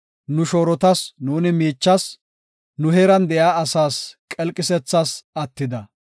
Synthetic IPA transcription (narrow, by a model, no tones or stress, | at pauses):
nʊʃoːɾɔt̪ɐsnuːnɪmiːt͡ʃːɐs | nʊɦeːɾɐnd̪ɛjaːɐsaːskʼɛlkʼɪsɛt͡sːasɐt̪ːɪd̪ɐ